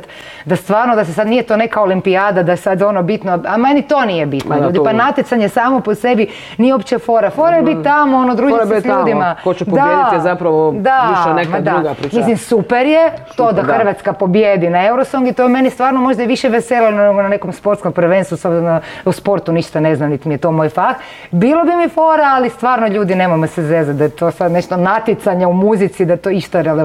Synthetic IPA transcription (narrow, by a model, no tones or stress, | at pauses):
t̪ | d̪ast̪ʋaːɾnod̪as̬esad̪nijet̪oːne̞kaolimpiaːd̪ad̪aesad̪onobit̪noamanit̪oːnijebit̪noʎuːd̪ipanat̪jet̪aɲesaːmoposebi | nijeopt͡ɕefo̞ɾafoɾajebit̪t̪ːamoonod̪ɾud͡ʒisʎuːd̪immakot͡ʃɛajedzapɾaʋod̪aiʃenemad̪auɡapɾimislimsupeɾjet̪od̪axr̩ʋat̪skapo̞bjed̪inaewɾosoŋɡit̪ojemenist̪ʋaːɾnomo̞ʒd̪ajeʋiʃeʋeselenoneɡonanekomspo̞ɾt̪skompɾʋeːnst̪ʋusobznnouspo̞ɾt̪uniʃt̪aneznamnit̪imijet̪omoːjfax | bilobimifoːɾaalist̪ʋaːɾnoʎuːd̪inemojmsezezat̪̚d̪ajet̪oːsad̪neʃt̪onat̪it̪saɲeumuzit̪sid̪at̪oiʃt̪oɾel